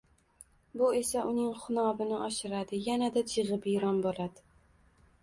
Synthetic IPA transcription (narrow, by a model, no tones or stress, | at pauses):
bʊe̞saʔʊnɪŋχʊnɒbɪnɪʔɒʃɪɾad̪ɪjanad̪at͡ʃʰɨʁɨpɪɾɒnbolad̪ɪ